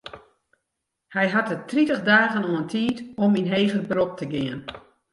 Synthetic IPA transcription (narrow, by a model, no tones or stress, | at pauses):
hɛjɦatətritəxdaːɣənoəntʰiːtɔminɦeːɣərbrop̚tʰəɡɪən